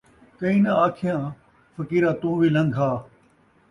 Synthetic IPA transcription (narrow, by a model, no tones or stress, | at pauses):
kɐĩːnɐaːkʰɪjãː | fəkiːɾãːt̪ũːʋiːlɐ̃ŋɡɦaː